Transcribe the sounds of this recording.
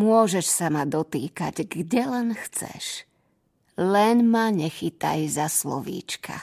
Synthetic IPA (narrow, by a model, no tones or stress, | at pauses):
mʊɔʒɛʃsamad̪ɔt̪iːka̰ɟɡɟɛlɛnxt͡sɛ̰ʃ | lɛnmaɲɛxit̪a̰jzaslɔ̰ʋḭːt͡ʃkʰa̰